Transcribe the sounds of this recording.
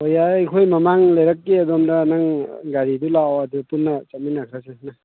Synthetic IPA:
ojajkʰojmamaŋlejɾakːiadɔmdanaŋɡaɾidulawadupunːɐt͡ʃat̚minakʰɾasena

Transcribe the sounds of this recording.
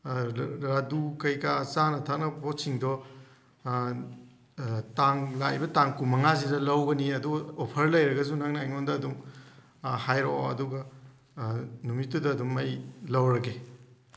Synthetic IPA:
ɾadukɐjkasanɐtʰaknɐpʰotsiŋdɔ | taŋlajbɐtaŋkumɐŋazidɐlɐwɡɐniɐduɡɐopʰɐɾlɐjɾɐɡɐzunaŋnɐːjŋondɐːdum | hajɾo̰ɐ̰duɡɐ | numitːudɐːdumɐjlɐwɾɐɡe

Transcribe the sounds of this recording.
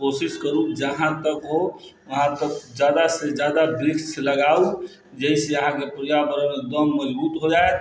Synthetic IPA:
kosɪskəɾũd͡ʒəɦãt̪əkɦoʋəɦãt̪əkd͡ʒjad̪ased͡ʒjaːd̪abɾɪkseləɡau | d͡ʒɛɦiseəɦãkepɾijabəɾəmɪk̚d̪əmːəd͡ʒbuːt̪ɦod͡ʒae

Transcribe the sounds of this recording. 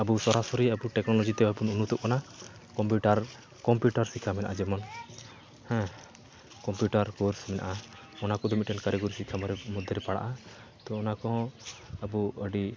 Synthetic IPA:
abusɔɾasɔɾiabuʈɛknɔlɔd͡ʒit̪ɛbapununut̪ɔʔ̚kana | kɔmpiuʈaɾ | kɔmpjuʈaɾsikʰamɛna̰ʔad͡ʒɛmɔn | hɛ̃ | kɔmpjuʈaɾkoɾsmɛna̰ʔa | ɔnakɔd̪ɔmit̪̚ʈɛnkaɾɛɡɔɾisikʰamɔɾɛmud̪ʱːɛɾɛpaɽa̰ʔa | t̪ɔɔnakɔ̃əbuəɖi

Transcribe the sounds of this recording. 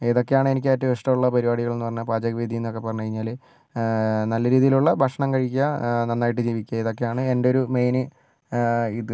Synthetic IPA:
e̞ːðo̞kːe̞jaːɳɨe̞nikʲːɨɐtːɨʋeʂʈɐmuɭːɐpɐɾibaːɽiɣɐɭnːɨpɐrɐɲːɐpaːd͡ʑɐɣɐʋiːd̪ʱijinːo̞kːe̞pːɐɾrɐɲːukɐɻiɲːaːl | nɐlːɐɾiːðijiluɭːɐbʱɐkʂɐɳɐmkɐɻikʲːuɣɐnɐnːaːjiʈ̬ːɨd͡ʑiːʋikʲːuɐeðo̞kːe̞jaːɳɨe̞ndeo̞ɾume̞jnɨ | iðɨ

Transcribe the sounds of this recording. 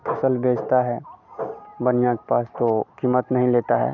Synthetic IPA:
pʰɐsəlbʱeːd͡ʒt̪aɦɛː | bənɪjãke̥paːst̪okiːmət̪nɐɦĩleːt̪aɦɛ̰ː

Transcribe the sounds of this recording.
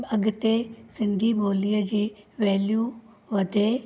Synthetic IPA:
ɐɡt̪esɪ̃nd̪ʱibʱoːlijəd͡ʑiːʋɛːljuː | ʋɐd̪ʱe

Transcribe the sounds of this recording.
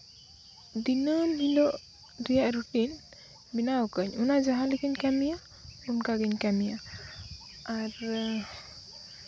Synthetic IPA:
dinəlɦilɔʔ | ɾijaʔɾuʈin | binawkəɲunad͡ʒaɦalikəɲkamija | unkaɡiɲkamija | aɾ

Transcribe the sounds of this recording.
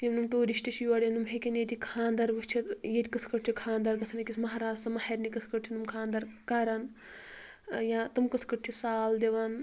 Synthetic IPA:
imnumʈoːɾiʃʈɐʃʰijʋɐɽʲenumɦekʲenet̪ikʰaːnd̪ɐɾʋɐst͡ʃʰijet̪ʲkɐsʰkɐʈ̚t͡ʃʰikʰãːnd̪ɐɾkɐt͡sʰɐnɐkʲisʰmɐɦaːɾaːst̪ɐmɐhɐɾnikɐsʰkɐʈt͡ʃʰinumkʰãːnd̪ɐɾkaːɾɐn | jãːt̪ɨmkɐsʰkɐʈ̚t͡ʃʰisaːld̪eʋan

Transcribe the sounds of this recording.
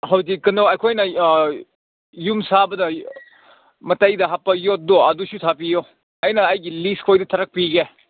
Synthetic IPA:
hawzikɐnowɐjkʰojnɐ | jumsabɐdɐ | mɐtɐjdɐɦapːɐjot̚doɐdusutʰap̬ijo | ɐjnɐːjɡiliskʰojdɐtʰɐɾɐk̚piɡe

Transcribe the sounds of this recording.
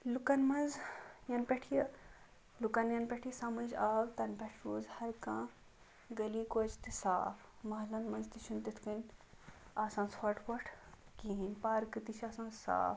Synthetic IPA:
lukɐnmɐnzjɐnpʲeʈʰij | lukɐnjɐnpʲeʈʰijsɐmɨd͡ʒaːwt̪ɐnpʲɛʈʰɾuːzhɐɾkãː | ɡɐliːkoːt͡ʃt̪isa̰ːpʰmɐɦlɐnmɐnzt̪iʃʰunt̪it̪ʰkɐnʲ | aːsãːnshɐʈʰʋɐʈʰkinʲpaːɾkɨt̪it͡ʃʰaːsãːnsa̰ːf

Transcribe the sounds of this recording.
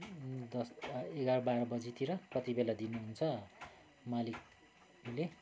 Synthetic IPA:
d̪ʌseɡaɾʌbaɾʌbʌd͡zit̪ʰiɾʌprʌt̪ibelad̪inuɦunt͡sʰʌ | malik̚ | le

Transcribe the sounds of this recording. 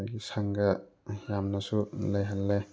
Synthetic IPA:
ɡisaŋɡɐjamnasulajɦalːe

